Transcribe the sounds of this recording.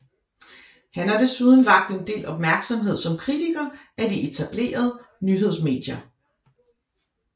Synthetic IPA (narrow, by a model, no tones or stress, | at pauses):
hænhɑ̈d̥e̝suð̞ˠn̩ʋɑ̈ɡ̥̚d̥e̝nd̥e̝̰ːlʔɒ̽b̥̚mæɐɡ̥sɒ̽mɦe̝ð̞̰ˠsɒ̽mkʰʁit͡sʰiɡ̥ɐːʔæd̥iʔe̝t͡sʰæb̥le̝̰ːɐð̞ˠənyɦe̝ð̞̰ˠsme̝̰ːd̥jɐ